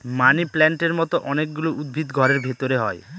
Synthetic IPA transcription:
maniplɛɳʈeɾmɔt̪oʔɔnek̚ɡuloʔud̪̚bʱit̪ɡʱɔɾeɾbʱet̪oɾeɦɔe

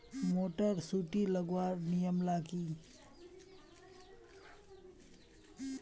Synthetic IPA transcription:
moʈəɾsuʈilɐɡwaɾnijəmlaɡi

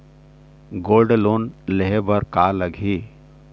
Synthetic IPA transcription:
ɡoːlɖloːnleɦebəɾkaləɡʱiː

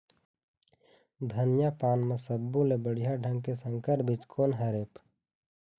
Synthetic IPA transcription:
d̪ʱɐnjapaːnmɐsəbːulebəɽijaɖʱɐ̃ŋɡkesəŋkəɾbʱit͡ʃkʰoːnɦɐɾeːp

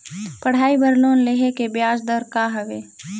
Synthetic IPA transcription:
pɐɽ̤aːibəɾloːnleɦekebjaːd͡ʒd̪əɾkaːɦɐʋeː

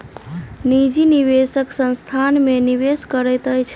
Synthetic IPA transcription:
nid͡ʒiniβesəksə̃nst̪ʰanmeniβeskəɾəjt̪əjt͡ʃʰ

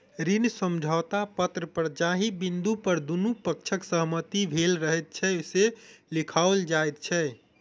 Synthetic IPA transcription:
ɾinsəmd͡ʒʱəːt̪apət̪ɾəpəɾd͡ʒaɦibind̪upəɾd̪unupəkt͡ʃʰəksəɦmət̪ibʱelɾəɦɛt̪̚t͡ʃʰɛselikʰaold͡ʒaet̪̚t͡ʃʰɛ

